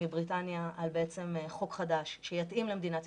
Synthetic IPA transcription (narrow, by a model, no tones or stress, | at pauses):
ibʁitanjaʔalbeet͡se̞meχo̞kχad̪aʃʃejat̪ʔimlemed̪inat